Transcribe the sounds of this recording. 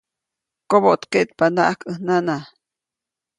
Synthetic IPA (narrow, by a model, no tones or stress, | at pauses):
kobot̪keʔt̪̚panaʔakənana